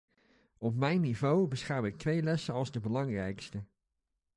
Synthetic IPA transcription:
ɔp̚mɛjnːivowbəsχɛɹwɪk̚tʋejlɛsəɑlˠzdəbəlɑŋrɛjkstə

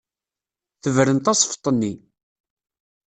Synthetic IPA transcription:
θəvɾənt̪ɑsˤft̪ˤːənːi

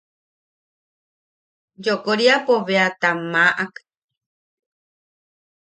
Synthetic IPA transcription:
d͡ʒokoɾiapoβeat̪amaʔak

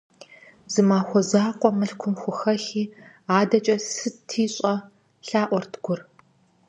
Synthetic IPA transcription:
z̥ɨmaːxʷɔzaːqʷʼɔmɨɬkʷʰʊmxʷʊxɐxiː | aːdɐt͡ʃʼɐsɨtʰiːɕʼɐ | ɬaːʔʷɔrtʰɡʷʊr

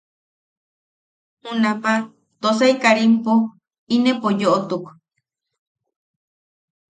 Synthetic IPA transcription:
hũnapa | t̪os̬aikaɾimpo | inẽpojoʔot̪uk

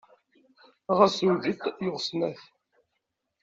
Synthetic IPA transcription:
ʁæsuʝit̪jʊʁsnæθ

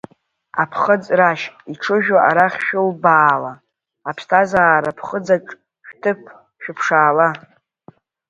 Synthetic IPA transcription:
a̰pʰχəd͡zʼraʃʼiʈ͡ʂʰɨʒᶣaʔaɾaχʲʃᶣʊlbaːlaː | pʰstʰazaːɾapʰχəd͡zakʼ | ʃᶣtʰɨp̚ʰ | ʃᶣʊpʰʂaːla

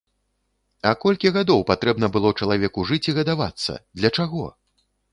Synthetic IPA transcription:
ɐkɔlʲkʲiɣad̪ɔwpat̪ɾɛbnɐbɨlˠɔt͡ʂɐlˠavʲɛkuʐɨt͡sʲiɣɐd̪ava̰t̪sːɐ̰d̪lʲɐt͡ʂaɣɔ̰

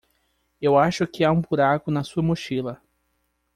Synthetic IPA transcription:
ewaʃʊkɪaũbuɾakʊnɐsuɐmoʃilɐ

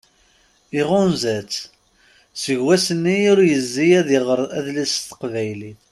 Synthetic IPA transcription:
iʁʊnzæt͡sː | səʝwæsənːiʊɾjəzːijæðiʁəɾˤæðlisθə̥qvæjliθ

